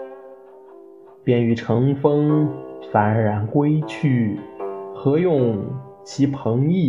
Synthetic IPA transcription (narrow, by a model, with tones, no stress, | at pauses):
pjɛ˥˩ny˧˩ʈ͡ʂʰɤ˧˥ŋfɤ˥ŋfa˨˩nɻa˧˥nkwe˥ɪt͡ɕʰy˥˩ | xɤ˧˥jʊ˥˩ŋ | t͡ɕʰi˧˥pʰɤ˧˥ŋi˥˩